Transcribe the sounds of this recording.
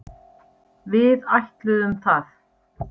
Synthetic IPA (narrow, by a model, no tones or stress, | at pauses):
vɪðajht̪lʏðʏmθaθ